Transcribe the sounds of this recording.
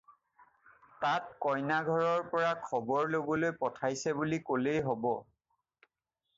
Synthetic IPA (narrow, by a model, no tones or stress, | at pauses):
tat̚kɔjnaɡʱɔɹɔɹpɔɹakʰɔbɔɹlobɔlojpɔtʰajsɛbulikolejɦobɔ